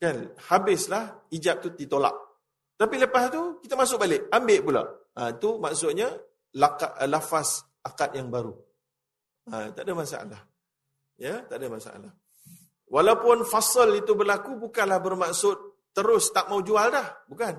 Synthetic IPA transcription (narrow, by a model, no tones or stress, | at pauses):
kanhabɪslahid͡ʒap̚t̪ut̪it̪ola̰ʔ̚ | t̪apiləpast̪ukit̪amasʊk̚balɪʔ̚ambɪʔpula̰ʔãit̪umaʔsʊt̪̚ɲa | lakaʔlafas | akat̪̚jaŋbaɾu | ã̰t̪a̰ʔdəmasa̰ʔa̰lah | jət̪aʔdəmasa̰ʔa̰lah | walawpʊnfɑsəlit̪ubərlakubukanlahbərmaʔsʊt̪̚ːəɾʊst̪aʔmawd͡ʒualdahbukan